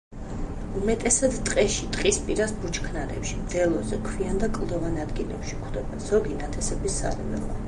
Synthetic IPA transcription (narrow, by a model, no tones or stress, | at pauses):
umɛt̪ʼɛsad̪t̪ʼqʼɛʃit̪ʼqʼispʼiɾasbut͡ʃʰkʰnaɾɛ̰pʃimd̪̥ɛlˠɔzɛkʰviand̪akʼlˠd̪ɔvanad̪ɡilɛ̰pʃikʰd̪ɛbɛnz̥ɔɡinat̪ʰɛsɛbisa̰ɾɛvɛ̰lˠa̰